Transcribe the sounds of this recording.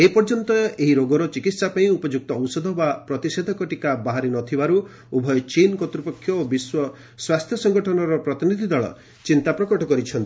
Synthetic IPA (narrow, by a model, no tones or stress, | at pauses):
epɔɾd͡ʒɔnt̪ɔeɦiɾoɡɔɾɔt͡ʃikit̪sapaĩupɔd͡ʒuk̚t̪ɔɔwsɔd̪ʱɔbapɾɔt̪ised̪ʱɔkɔʈikabaɦaɾinɔt̪ʰibaɾu | ubʱɔjɔt͡ʃinkɔt̪ɾupɔkʰːjɔobiswɔ | swast̪ʰjɔsɔŋɡɔʈʰɔnɔɾɔpɾɔt̪inid̪ʱid̪ɔɭɔ̰ | t͡ʃint̪apɾɔkɔʈɔkɔɾit͡ʃʰɔnt̪ii